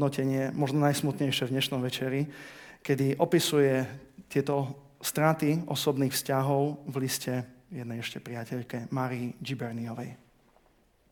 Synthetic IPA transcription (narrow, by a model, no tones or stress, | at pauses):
nɔcɛɲɪɛmɔʒnɔnajsmut̪ɲɛjʃɛvɲɛʃnɔmʋɛt͡ʃɛɾikɛd̪iʔɔpisujɛt̪ɪɛt̪ɔ | st̪ɾat̪iʔɔ̰sɔbniːxfscaɦɔʊvliscɛjɛd̪nɛjɛʃcɛpɾɪacɛʎkɛmaːɾiid͡ʒibɛɾniɔʋɛj